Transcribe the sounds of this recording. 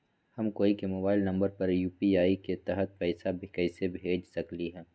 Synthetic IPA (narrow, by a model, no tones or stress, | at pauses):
hɐmkoːikemoːbaːɪlnɐ̃mbəɾpɐɾjuːpiaːiket̪ɛɦət̪̚pɛːsabʱikɛɪsebʱeːd͡ʒsɐkliɦɛ̃ː